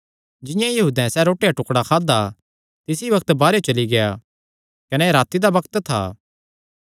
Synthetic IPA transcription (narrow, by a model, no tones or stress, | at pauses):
d͡ʒɪ̃jãjɐɦuːd̪ɛ̃sɛɾoːʈejaʈʊkɽakʰaːd̪a | t̪ɪsiʋɐk̚t̪baːɾeot͡ʃɐliɡɐja̰ | kɐnɛɾaːt̪ːid̪abɐkt̪t̪ʰa̰ː